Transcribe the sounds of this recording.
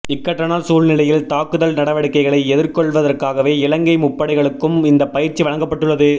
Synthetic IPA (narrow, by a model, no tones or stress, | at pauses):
ɪkːɐʈrɐnaːlsuːlnɪlɐjɪlt̪aːkɯðɐlnɐɽɐʋɐɽɪkːɐɪɣɐɭɐɪɛðɪɾkɔɭʋɐðɐrkaːɣɐʋeːɪlɐŋɡɐɪmʊpːɐɽɪɣɐɭɯkːɯmɪnd̪ɐpɐjɪɾt͡ʃːiʋɐɻɐŋɡɐpːɐʈːɯɭːɐðɯ